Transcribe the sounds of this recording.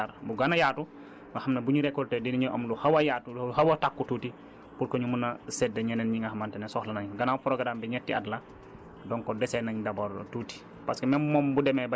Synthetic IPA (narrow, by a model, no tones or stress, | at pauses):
aɾbuɡanajatu | nahamnɐbuɲuɾɛkːɔltɛdiniɲɔʔɐmluhawajaːtuhawɐtakːututi | puɾkoɲumunːasɛdɐɲɛnɛnɲiŋɡaɦamantɛnɛsɔhlɐnaɲɡanaːwfɔɾɔɡadaːmbiɲɛtːiadla | dɔŋkɔdɛsɛnaɲdɐbɔɾtuːti̥ | paskimɛmmɔmbudɛmɛba